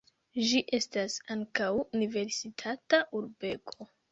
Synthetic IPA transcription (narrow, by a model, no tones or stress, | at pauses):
ʒiʔe̞stasaŋkawunive̞ɾsitʰataʔuɾbe̞kʰo̞